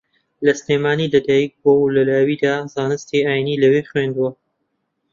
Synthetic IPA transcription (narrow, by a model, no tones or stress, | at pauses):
lɐsneːmaːniːlɐd̪aːjik̚bolɐlaːwiːd̪azaːnɨst̪iaːjinilɐweχwend̪uwɐ